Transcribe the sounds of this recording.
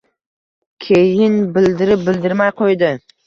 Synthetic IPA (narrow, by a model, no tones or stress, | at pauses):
kʲʰejɪnbɪld̪ɪɾɪp̚bɪld̪ɪɾmajqʰojd̪ɪ